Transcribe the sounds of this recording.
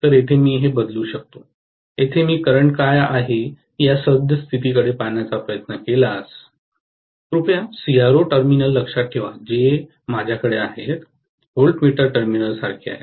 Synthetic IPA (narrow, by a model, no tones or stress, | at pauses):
t̪əɾet̪ʰemiːɦebəd̪luːɕək̚t̪o | et̪ʰemiːkəɾəɳʈkajaɦe | ijasəb̪ʱjəst̪ʰit̪ikəɽepaɳjat͡sapɾəjət̪nəkelas | ɾupjasiaɾoʈəɾminəlːəkʂat̪̚kʰeʋad͡ʑe | mad͡ʑʱjakəɽeaɦet̪ | ɦolʈmiʈəɾʈəɾminəlsaɾkʰia̰ɦḛ